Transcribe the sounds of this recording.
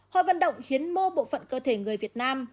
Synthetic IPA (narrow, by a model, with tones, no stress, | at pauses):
hɔ̰˧˨jvə̰˧˨nɗə̰˧˨wŋ͡mxi˨˦ənmo˧ɓo̰˧˨fə̰˧˨nkəː˧t̪ʰe˧˩ŋɨ˨˩əjvi˨˩ət̚naː˧m